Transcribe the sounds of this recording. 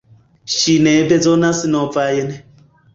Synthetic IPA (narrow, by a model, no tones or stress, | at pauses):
ʃinɛbɛd͡zɔnasinɔfajɛnɛ